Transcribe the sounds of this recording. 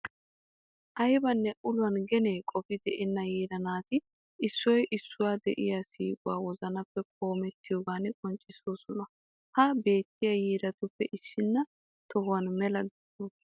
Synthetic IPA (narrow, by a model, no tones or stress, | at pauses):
ʔɐjbɐnːɛʔʊlʊwɐnɡɛneːkʼɔfɪd̪ɛʔɛnːɐjiːɾɐnaːt̪ɪ | ɪsːɔjʔɪsːʊwaːd̪ɛ̰ʔɪjasiːkʼʊwa̰ːwɔzɐnɐpːɛkʰʼo̞ːmɛt̪ːɪjoːɡaːnɪkʼɔnt͡ʃʼːɪsoːsʊnɐ | hɐbe̞ːt̪ːɪjɐjiːɾɐt̪ʊpːɛʔɪsːɪnːɐ | t̪ɔɦʊwɐnmɛlɐd̪ɛd̪oː